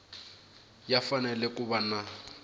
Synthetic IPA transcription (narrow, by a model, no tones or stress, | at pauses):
jafanɛlɛkʼʊbana